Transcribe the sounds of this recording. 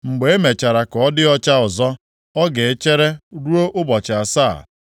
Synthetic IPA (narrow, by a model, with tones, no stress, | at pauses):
ŋ͡m̩˨ɡ͡be˨e˦me˨t͡ʃa˨ɾa˨kɔ˨ɔ˦dɪ˦ɔ˦t͡ʃa˦ʊ˨zɔ˦ | ɔ˦ɡe˨e˦t͡ʃe˦ɾe˦ɾu˦o˦ʔʊ˦bɔ˨t͡ʃɪ˨a˨saː˦˨